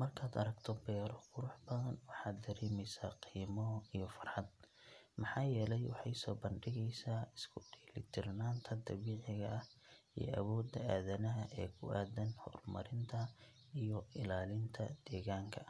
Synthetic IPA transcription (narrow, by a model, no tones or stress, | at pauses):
mɐrkʰaːd̪ɐ̰ɾɐɡt̪ʰɔbɛɾɔqʊɾʊħbɐðɐnwɑħɑːd̪ːɐɾɛːmɛjsa̰ːqiːmɔijɔfɐrħɑd̪̚ | mɑħɑːjɛːlɛjwɑħɑjsɔːbɐnɖɪɣɛjsaːɪskʰʊɖiːlɪt̪ʰɪrnaːnt̪ʰɐd̪ɐβiːʕɪɣɐɐh | ḭjɔ̰ʔɐβɔːd̪ːɐaːðɐnɐɦɐʔɛːkʰʊʔaːd̪ɐnhɔ̰rmɐɾɪnt̪ʰɐ | ijɔɪlaːlɪnt̪ʰɐd̪̥ɛːɣaːŋkʰɐ